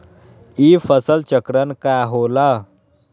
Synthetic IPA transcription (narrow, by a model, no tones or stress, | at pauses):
ifəsəlt͡ɕəkɾənkajɦola